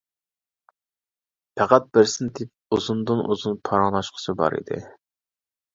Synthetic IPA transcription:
pʰæqæt̪̚bɪɾsɪnt̪ʰɪp̚uzund̪ɨnʔṵzunpʰɑɾɑnˠɑʃqʰə̥t͡ʃʰɨbɑ̰ɾḭd̪ɪ̰

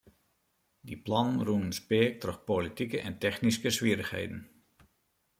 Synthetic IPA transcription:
diplɔnənrunənspɪək̚trøxpolitikəʔɛntɛxniskəsʋiəɾəxhḛjdən̩

